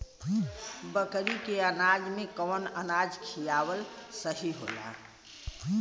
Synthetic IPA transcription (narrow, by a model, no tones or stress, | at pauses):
bəkɾikeənad͡ʒmẽkɔːnənad͡ʒkʰijawəlsəɦiɦo̰la̰